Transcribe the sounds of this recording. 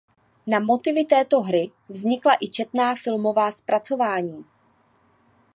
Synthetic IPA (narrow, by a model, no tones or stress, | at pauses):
namo̞t̪ɪvɪt̪ɛːt̪o̞ɦɾɪ | vzɲɪklaʔɪt͡ʃɛt̪naːfɪlmo̞vaːspɾat͡so̞vaːɲiː